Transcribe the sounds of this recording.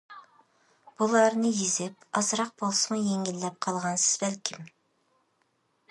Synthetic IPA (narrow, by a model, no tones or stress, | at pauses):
b̥ulˠɑɾnɨjizɪp̚ɑzɾɑq̚bolˠsɨmujeŋʲilːɛp̚qʰɑlˠʁɑnsɪ̥z̥bælkʲʰim